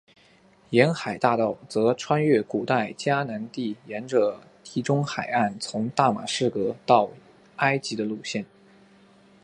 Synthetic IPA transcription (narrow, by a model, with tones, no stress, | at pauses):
jɛ˧˥nxa˨˩ɪt̪a˥˧t̪ɑ˥˩ʊt͡sɤ˧˥ʈ͡ʂʰwa˥nɥɛ˥˩ku˨˩t̪a˥˩ɪt͡ɕja˥na˧˥nt̪i˥˩jɛ˧˥nʈ͡ʂə˧˩ | t̪ʰi˧˥ʈ͡ʂʊ˥ŋxa˨˩ɪa˥˩nt͡sʰʊ˧˥ŋt̪a˥˩ma̰˨˩ʂɻ̩˥˩kɤ˧˥t̪ɑ˥˩ʊ | a˥ɪt͡ɕi˧˥d̪ə˧lu˥˧ɕjɛ˥˩n